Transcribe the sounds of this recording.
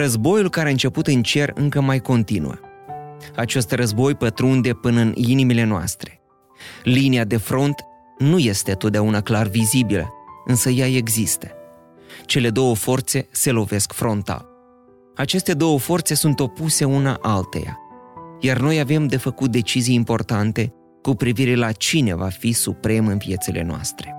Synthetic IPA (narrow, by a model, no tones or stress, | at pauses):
rəzbo̞julkaɾeaɨnt͡ʃe̞put̪ɨnt͡ʃe̞rɨ̰ŋkəmajko̞nt̪inṵə̰ | at͡ʃe̞st̪rəzbo̞jpət̪ɾund̪e̞pɨnəɨninimile̞noa̰st̪ɾe̞ | liniad̪e̞fɾo̞nt̪ | nuje̞st̪e̞t̪ot̪̚d̪eaunaklarvizibilə̰ɨnsəjae̞ɡzist̪ə̥ | t͡ʃe̞le̞d̪o̞wəfo̞rt̪se̞se̞lo̞ve̞skfɾo̞nt̪a̰l | at͡ʃe̞st̪e̞d̪o̞wəfo̞rt̪se̞sunt̪o̞puse̞unaʔalt̪ḛja̰jarno̞jave̞md̪e̞fəkut̪̚d̪e̞t͡ʃizijimpo̞rt̪ant̪e̞ | kupɾiviɾe̞lat͡ʃine̞vafisupɾe̞mɨnvije̞t̪sile̞̰noa̰st̪ɾe̞